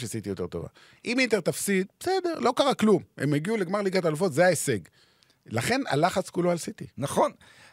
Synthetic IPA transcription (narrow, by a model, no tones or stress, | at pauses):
ʃeasit̪ijo̞t̪e̞ʁt̪o̞va̰ | ʔimit̪et̪afsid̚besede̞ʁlo̞kaʁaklumḛmeɡiuleɡmaʁliɡat̪alufo̞t̪zeaese̞ɡ | laχe̞na̰laχat͡skuloalsit̪ḭnaχon